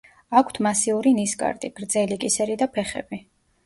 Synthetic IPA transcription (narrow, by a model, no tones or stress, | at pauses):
akʷʰt̪ʰmasiuɾinisɡʼa̰ɾd̪ʼiɡ̥ɾd̪zɛlikʼisɛɾid̪apʰɛχɛ̰bi